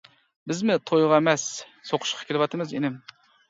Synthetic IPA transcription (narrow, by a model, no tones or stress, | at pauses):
bɪzmɪt̪ʰojʁɑemɛs | soqʰʊ̥ʃqʰɑ̥kʲʰelɪʋɑt̪ʰɨmɨzenɪm